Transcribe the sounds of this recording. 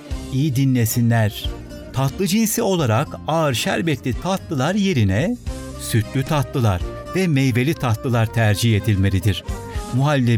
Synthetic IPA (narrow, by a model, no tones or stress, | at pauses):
ijid̪inːʲesinlʲæɾ̥ | t̪ʰat̪lˠɯd͡ʒinsio̞lˠaɾakaɯɾʃæɾbɛt̪lʲit̪ʰat̪lˠɯlˠaɾje̞ɾinɛ | syt̪ʰlʲyt̪ʰat̪lˠɯlˠa̰ɾ | vɛmejve̞lʲit̪ʰat̪lˠɯlˠaɾt̪ʰæɾd͡ʒiçe̞d̪ilʲme̞ɾʲid̪iɾ̥muɦalʲːɛ